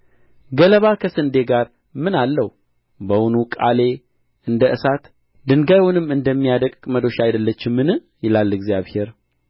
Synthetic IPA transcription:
ɡələβakʰəsɨnd̪e̞ɡaɾ | mɨnalːəhu | bəwʊnukʼa̰le̞ | ɨnd̪əʔɨsat̪ | d̪ɨŋɡajwunɨmːɨnd̪əmːijad̪əkʼkʼməd̪o̞ʃajd̪əlːət͡ʃːɪmːɨnɨ | jɪlalːɨɡzijaβhe̞ɾ

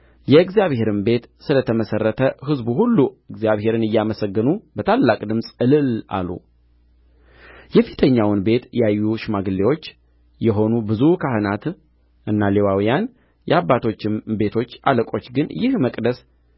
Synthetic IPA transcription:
jɛɨɡzijaβhe̞ɾɨmbe̞t̪sɨlət̪ʰəməsərːət̪ʰəhɨzbuɦulːuɨɡzijaβhe̞ɾɨnɨjːaməsəɡːɨnubət̪ʰalːakʼd̪ɨmsʼɨlɨlʔa̰lːṵ | jɛfi̥t̪ʰəɲːawnbe̞t̪jɛajːuʃmaɡɨlːewo̞t͡ʃː | jɛɦo̞nubɨzukʰahɨnat̪ | ʔɨnːalewawijan | jɛabːat̪ʰo̞t͡ʃːɪmbe̞t̪ʰo̞t͡ʃːaləkʼo̞t͡ʃːɡɨnjɪhməkʼd̪əs

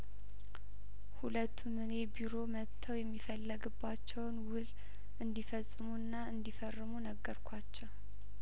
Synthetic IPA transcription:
hulət̪ʰːumɨnebiɾo̞mət̪ʰːəwjɛmːifəlːəɡɨbːat͡ʃːɛwnwɨl | ʔɨnd̪ifəsʼːɨmunːaɨnd̪ifərːɨmunəɡːəɾkʷʰat͡ʃːɛw

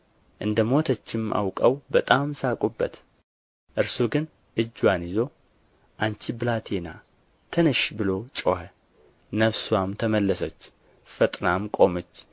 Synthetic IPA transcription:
ʔɨnd̪əmo̞t̪ʰət͡ʃːɪmʔa̰wkʼəwbət̪ʼamsakʼubːə̰t̪ | ʔɨɾsuɡɨn | ʔɨd͡ʒːwanjɪzo̞ | ʔant͡ʃiblat̪ʰena̰ | t̪ʰənɨʃbɨlo̞t͡ʃʼo̰hə | nəfswamt̪ʰəməlːəsət͡ʃː | fət̪ʼnamkʼo̞mət͡ʃː

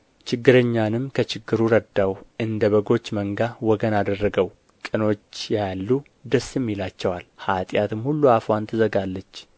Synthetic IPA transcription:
t͡ʃʰɪɡːɨɾəɲːanɨmkʰət͡ʃɪɡːɨɾuɾəd̪awɨnd̪əβəɡo̞t͡ʃːməŋɡawɔɡənad̪ərːəɡəw | kʼɨno̞t͡ʃːjalːu | d̪əsɨmːilat͡ʃːɛwalhat̪ʼjat̪ɨmhulːuafwant̪ʰɨzəɡalːət͡ʃː

